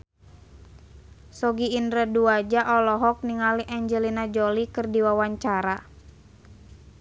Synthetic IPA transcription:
sɔɡiːndɾəduad͡ʒaʔɔlɔɦɔk̚niŋaliʔaɲd͡ʒɛlinad͡ʒɔlikɨrdiwawaɲt͡ʃaɾa

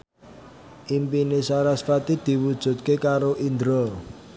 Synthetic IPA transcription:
ʔimpinesaɾasfat̪id̪̥i̤wud̥ʒ̥ṳt̪̚kekaɾoʔind̪ɾɔ

